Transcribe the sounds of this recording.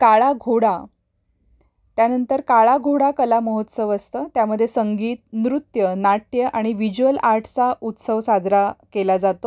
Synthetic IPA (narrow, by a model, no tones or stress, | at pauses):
kaɭaɡʱoɽa | t̪janənt̪əɾkaɭaɡʱoɽakəlaməɦot̪səʋəst̪əːt̪jaməd̪ʱjesəŋɡiːt̪̚nɾut̪jənaʈjəʔaɽ̃iʋid͡ʑuəlaɾʈʰt͡saut̪səʋsad͡zɾakelad͡zat̪o